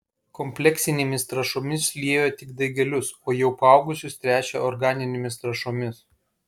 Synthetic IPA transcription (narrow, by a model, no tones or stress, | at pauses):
kɔmʲpʲlʲɛksʲɪnʲeːmʲɪst̪ɾɐʃoːmʲɪsʲlʲiɛjot̪ʲɪɡd̪ɐɪɡʲɛlʲʊsoːjɛʊpɑˑʊɡʊsʲʊst̪ʲɾʲæːt͡ʃʲɛ̰ɔɾɡɑːnʲɪnʲeːmʲɪst̪ɾɐʃoːmʲɪs